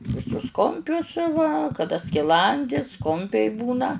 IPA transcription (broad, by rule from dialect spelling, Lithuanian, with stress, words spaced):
ʋʲɪˈsʊs ˈkʊmʲpʲʊs ʋɐ kɐˈdɐ sʲkʲɪˈlˠɐnʲdʲɪs ˈkʊmʲpʲɛɪ ˈbuːnɐ